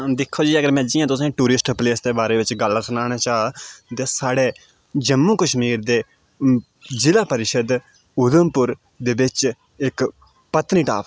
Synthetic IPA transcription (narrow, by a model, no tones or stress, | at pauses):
d̪ɪkʰːoːd͡ʒiːəɡəɾmɛ̃ːd͡ʒiːãːt̪ʊsẽːʈuːɾɪsʈpleːsd̪eːbaːɾeːʋɪt͡ʃɡəlːsənaːñaːt͡ʃaːat̪eːsaːɽeː | d͡ʒəmːũːkəʃmiːɾd̪eː | d͡ʒɪlaːpəɾɪʃəd̪ | ʊd̪əmpʊɾ | d̪eːbɪt͡ʃ | ɪk | pət̪niːʈa̰ːp